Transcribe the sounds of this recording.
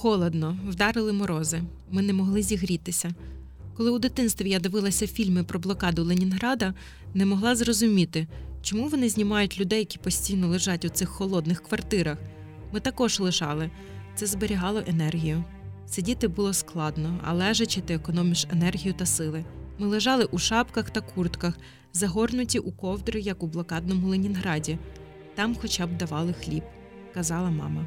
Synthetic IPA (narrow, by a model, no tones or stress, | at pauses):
xɔlˠɔd̪nɔwd̪ɑɾɪlˠɪmɔɾɔzɪ | mɪnɛmɔɦlˠɪzʲiɦɾʲit̪ɪsʲɐ | kɔlˠɪwd̪ɪt̪ɪnst̪ʋʲijad̪ɪʋɪlˠɐsʲɐfʲilʲmɪpɾɔblˠɔkɑd̪ʊlenʲinɦɾɑd̪ɐ | nɛmɔɦlˠɑzrɔzʊmʲit̪ɪt͡ʃɔmuʋɔnɪzʲnʲimɑjʊtʲlʲʊd̪ɛjːɐkʲi̥pɔsʲtʲijnɔlˠɪʒɑtʲut̪sɪxːɔlˠɔd̪nɪxkʋɐrt̪ɪɾɐx | mɪt̪ɐkɔʒlˠɪʒɑlˠɪ | t̪sɛzbeɾʲiɦɑlˠɔʔenɛrɦʲijʊ | sɪdʲit̪ɪbulˠɔsklˠɑd̪nɔɐ̰lˠɛʒɐt͡ʃɪt̪ɪekɔnɔmʲiʃenɛrɦʲijʊt̪ɐsɪlˠɪmɪlˠɪʒɑlˠɪʔuʃɑpkɐxt̪ɐkʰurt̪kɐx | zɐɦɔrnʊtʲiʔukɔwd̪ɾɪjɐkublˠɔkɑd̪nɔmʊlˠɪnʲinɦɾɑdʲi | t̪ɑmxɔt͡ʃɑb̚d̪ɐʋɑlˠɪxlʲib | kɐzɑlˠɐmɑ̰mɐ